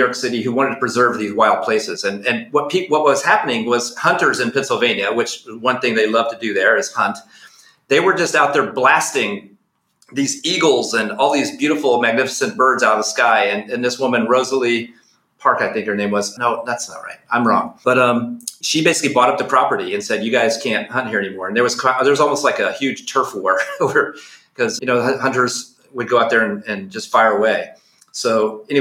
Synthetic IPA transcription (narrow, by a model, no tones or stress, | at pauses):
jɔɹksɪɾiɦʉwɑ̃ɾ̃ɨd̚tʰɨ̥əpʰɹ̥ɨzɜ˞vðizwaɪlˠd̚pʰl̥eɪsɨzɨ̃nɨ̃nwʌt̚pʰipwʌt̚wʌz̥hæpənɪ̃ŋwʌz̥hʌ̃ntə˞zɨ̃npʰɛ̃nsl̩ˠvẽɪ̃njɨwɨt͡ʃwʌ̃nθɪ̃ŋðeɪlʌv̥tʰɨdɨðə˞ɨz̥hʌ̃nt | ðeɪwə˞d͡ʒʌstaʊt̪̚ðə˞blæstɪ̃ŋ | ðiziɡl̩ˠzɨ̃nɔlˠðizbjʉɾəfl̩ˠmæɡ̚nɪfə̥sɨ̃nb̥ɜ˞dzaʊɾʌð̥skaɪɨ̃nɨ̃nðɪswʊmɨ̃nɹoʊzl̩ˠi | pʰɑɹkaɪθɪ̃ŋkhə˞nẽɪ̃mwʌznoʊðætsnə̰t̚ɹa̰ɪt̚ãɪ̃mɹɔ̰̃ŋb̥ʌɾʌ̃mʃibeɪsɪ̥klibɔɾʌp̚ðɨpʰɹ̥ɑpə˞ɾiɨ̃nsɛdjɨɡaɪz̥kʰæ̃nt̚hʌ̃nt̚hiɹɛnimɔɹɨ̃nðə˞wʌz̥kʰaðə˞wʌzɔlˠmoʊstlaɪkɨhjʉd̥ʒ̥tʰɜ˞fwɔɹwə˞kʰʌzjɨñoʊhʌ̃ntə˞z | wəd̚ɡoʊaʊðə˞ɨ̃nɨ̃nd͡ʒʌstfaɪə˞əweɪ | soʊɛni